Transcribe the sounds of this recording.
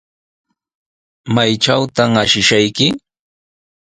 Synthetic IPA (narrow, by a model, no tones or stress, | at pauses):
majʈ͡ʂawt̪aŋaʃɪʃajkɪ